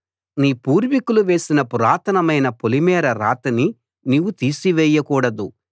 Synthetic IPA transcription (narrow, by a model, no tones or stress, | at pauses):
niːpuːɾʋikuluʋe̞ːsinɐpuɾaːt̪ʰɐnɐmɐjnɐpolimɛːɾɐɾa̰ːt̪ɐni | niʋut̪iːsiʋɛːjɐkuːɽɐd̪u